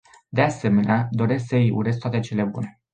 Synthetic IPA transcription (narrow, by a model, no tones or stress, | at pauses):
d̪e̞ase̞me̞nead̪o̞ɾe̞sksəjṵɾe̞s̬kt̪at̪et͡ʃe̞le̞bune̞